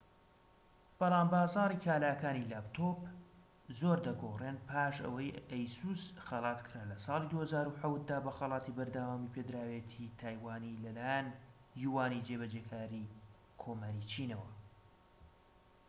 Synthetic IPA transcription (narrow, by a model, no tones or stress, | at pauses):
b̥ɑlˠɑːmbɑːzɑːɾikʰaːlaːkaːnilaːpt̪ʰop | zoːɾd̪ɐɡorenpʰaːʃɐ̰wɐjejsusxɐlˠɑt̪kʰɨɾaːlɐsɑːlˠid̪uːhɐzaːɾuħawt̪̚d̪aːbɐxɐlˠɑːt̪ibɐɾd̪awaːmipʰed̪ɾaːwet̪ʰit̪ʰaːjwaːnilɐlaːjanjuwaːnid͡ʒeβɐd͡ʒekʰaːɾi | kʰoːmaːɾit͡ʃʰinɐwɐ